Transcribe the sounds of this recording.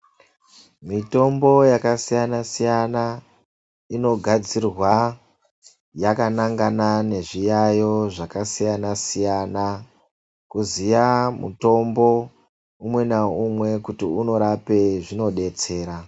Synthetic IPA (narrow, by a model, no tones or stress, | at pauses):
mito̞mbo̞jakasijanasijana | ino̞ɡʱad͡zirwa | jakanaŋɡanane̞ʐijajo̞ʐakasijanasijana | kuzijamṵto̞mbo̞ | umwe̞naumwe̞kutiuno̞ɾape̞ʐino̞ɗe̞t͡se̞ːɾa